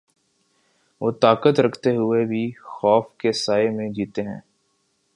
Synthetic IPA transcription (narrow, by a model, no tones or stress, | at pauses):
ʋoːt̪aːkət̪ɾɐkʰt̪eɦʊebʱixɔːfkesaːemẽd͡ʒiːt̪eɦɛ̰̃ː